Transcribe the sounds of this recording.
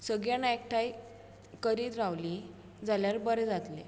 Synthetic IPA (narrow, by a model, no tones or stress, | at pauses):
səɡjanaek̚ʈʰaj | kəɾiːt̪ɾaʋli | d͡zaljaɾbəɾed͡zat̪lḛ